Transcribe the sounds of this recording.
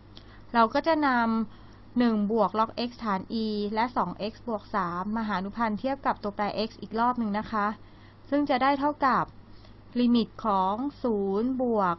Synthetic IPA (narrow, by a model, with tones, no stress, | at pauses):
ɾa˧wkɔː˥˩t͡ɕa˨˩na˧m | nɯ˨˩ŋbu˨˩ək̚lɔ˦˥k̚ʔe˦˥k̚t̪ʰaː˩˦nʔiː˧lɛ˦˥ʔsɔː˩˦ŋʔe˦˥k̚sbu˨˩ək̚saː˩˦mːaː˧aː˩˦a˧nu˦˥pʰa˧nt̪ʰi˥˩əp̚ka˨˩p̚t̪u˧ɐplɛː˧ʔe˦˥k̚sʔiː˨˩k̚ɾɔː˥˩p̚nɯ˧ŋna˦˥kʰa˦˥ʔ | sɯ˥˩ŋt͡ɕa˨˩daː˥˩jt̪ʰa˥˩wka˨˩p̚ | liː˧mi˨˩t̪̚kʰɔː˩˦ŋsuː˩˦nbu˨˩ək̚